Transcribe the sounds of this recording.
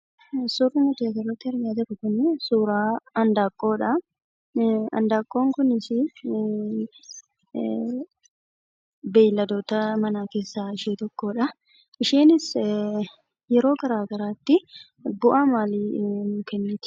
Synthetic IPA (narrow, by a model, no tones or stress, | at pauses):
suːrːɪnʊt̪eːɡɐrːɐt̪ːɪhɐɾjaːt̪ɛkʊkʊnɪsuːɾaːɐnd̪aːkʼːo̞ːᶑɐ | ɐ̰nd̪aːkʼːo̞ːŋkʊnɪsɪ | beːlːɐd̪oːt̪ɐmɐnaːke̞ːsːaːɪʃiːt̪ɔkːo̞ːᶑɐ | ʔɪʃiːnɪs | jɛɾo̞ːɡɐɾaːɡɐɾaːt̪ːɪ | ɡʊʔamaːlinʊkɛnːeːt̪